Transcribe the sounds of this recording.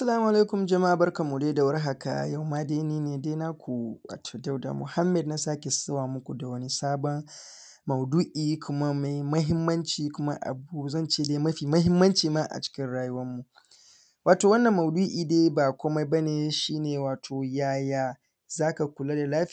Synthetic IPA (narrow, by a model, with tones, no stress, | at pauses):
ʔa˦sɐ˦laː˦mu˨ʔa˨le˦kʊ˨md͡ʒɐ˨ma˦ʔa˨bɐ˦rkɐ˨mːu˨deː˦da˨wɐ˦rɦa˨ka̰˨ja˦˨wmaː˦deː˦neː˦neː˨deː˦na˦kʷu˨wa̰ː˨tʰoː˨da˦wda̰˨mʊ̰˨ha˦mːɛ˨dna˦saː˦kʲe˨sɐ˦waː˨mʊ˦kʷu˨da˨wɐ˦ni˦saː˦bɔ˦n | mɐ˨wdu˦ʔiː˨kʷʊ˦ma˦ma˨jmɐ˦ɦɪ˦mːɐ˦nt͡ʃiː˨kʷʊ˦ma̰˦ʔa̰˨bu˦zɐ˦nt͡ʃeː˦˨deː˦mɐ˦ɸiː˨mɐ˦ɦɪ˦mːɐ˦nt͡ʃiː˨maː˦ʔa̰˨t͡ʃɪ̥˦kʲɪ˦nɽaː˦jʊ˦wɐ˦mːu˨ | waː˨toː˨wɐ˦nːɐ˨mːɐ˨wduː˦ʔiː˨deː˦baː˨kʷoː˦ma˦jbɐ˦neː˨ʃiː˦neː˨waː˨tʰoː˨jaː˦jaː˦ | zaː˦ka˨kʷʊ˨laː˦da˨laː˦ɸ